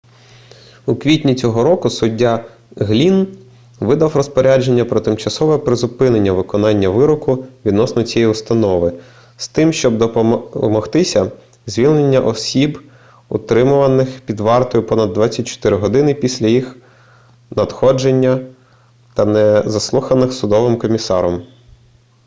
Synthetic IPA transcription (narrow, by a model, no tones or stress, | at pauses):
ukʋʲitʲnʲit͡sʲɔɦɔɾɔkʊsʊdʲːa | ɦlʲin | ʋɪd̪ɐwrɔspɔɾʲad͡ʒe̞nʲːɐpɾɔt̪ɪmt͡ʃɐsɔʋɛɛpɾɪzʊpɪnenʲːɐʋɪkɔnɑnʲːɐʋɪɾɔkʊʋʲid̪nɔsnɔt͡sʲijɛjʊst̪ɐnɔʋɪ | st̪ɪmʃt͡ʃɔb̚d̪ɔmɔxt̪ɪsʲɐ | zʲʋʲilʲnenʲːɐʔɔsʲib | ʊt̪ɾɪmʊʋɐnɪxpʲid̪ʋɑrt̪ɔjʊpɔnɐd̪ːʋɑt͡sʲːɐt̚ʲt͡ʃɔ̥t̪ɪɾɪɦɔd̪ɪnɪpʲisʲlʲɐjix | nɐd̪xɔd͡ʒenʲːɐ | t̪ɐnɛzɐslˠuxɐnɪxsʊd̪ɔʋɪmkɔmʲisɑ̰ɾɔm